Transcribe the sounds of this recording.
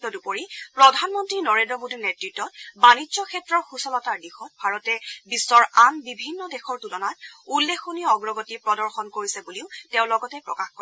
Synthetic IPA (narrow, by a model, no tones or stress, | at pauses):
tɔdupoɹipɹɔdʱanmɔntɹinɔɹendɹɔmodinetɹitːɔt̚banizɔkʰɛtɹɔɹxusɔlɔtaɹdixɔt̚bʱaɹɔtɛbisːɔɹanbibʱinːɔdɛxɔɹtulɔnatulːexoniɔɡɹɔɡɔtipɹɔdɔɹxɔnkoɹisɛbuliʊteʊ̃lɔɡɔtɛpɹɔ̰kaxkɔɹ